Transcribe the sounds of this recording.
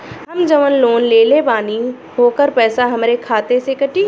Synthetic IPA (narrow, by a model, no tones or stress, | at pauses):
ɦɐmd͡ʒəʋənloːnleːlebaːni | ɦoːkəɾpɛːsaɦɐmɾekʰaːt̪esekɐʈiː